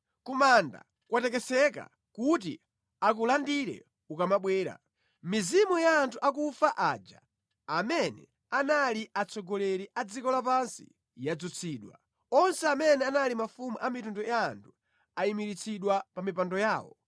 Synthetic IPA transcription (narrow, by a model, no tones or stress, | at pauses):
kumanda̰ | kwatɛkɛsɛka̰ | kut̬ḭ | ak̬ulandiɾɛ̰ | ukamaɓwɛːɾa̰ | mizimujaːntʰuʔak̬ufaʔaːd͡ʒa̰ː | mɛnɛ̰ | analiʔat͡sʰɔɡɔlɛɾiʔad͡zikɔlap̬ansḭ | jad͡zut͡sʰiːɗwa̰ | ɔnsɛamɛnɛanalimafumuʔamitundɔjaːntʰu | aimiɾit͡sʰiɗwapamipandɔjaːwɔ̰